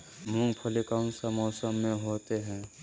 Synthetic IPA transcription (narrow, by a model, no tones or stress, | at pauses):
mʊ̃ŋɡpʰəlikaʊ̃nsamɔːsəmːẽɦoːt̪eɦɛ̃ː